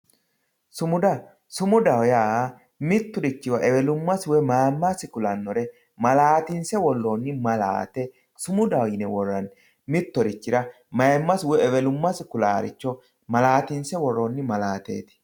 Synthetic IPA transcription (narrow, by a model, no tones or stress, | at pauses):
sʊmʊd̪ɐ | sʊmʊd̪ɐwjaː | mɪt̪ːʊdɪt͡ʃːɪwɐʔɛwɛlʊmːɐswɛmajmːasɪkʊlɐnːɔɾɛ | mɐlaːt̪ɪnsɛwɔlːoːnːɪmɐla̰ːt̪ɛ | sʊmʊd̪ɐwjɪnɛwɔrːɐn | mɪt̪ːɔɾɪt͡ʃːɪɾɐ | mɐjɛmːɐswɔɛwɛlʊmːɐsɪkʊlaːɾɪ̰t͡ʃːɔ | mɐlaːt̪ɪnsɛwɔrːonːɪmɐlaːt̪ḛːt̪ɪ̥